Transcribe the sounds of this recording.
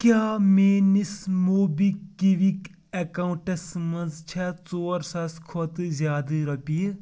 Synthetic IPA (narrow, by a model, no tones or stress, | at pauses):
kʲjaːmeːnismoːbikːiʋik | ekauɳʈɐsmɐnd͡zt͡ʃʰɛt͡soːɾsɐskʰot̪ɨzʲjaːd̪ɨɾɐpiː